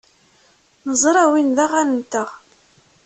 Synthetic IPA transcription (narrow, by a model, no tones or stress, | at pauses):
nəzˤɾˤawinðaʁænənt̪əʁ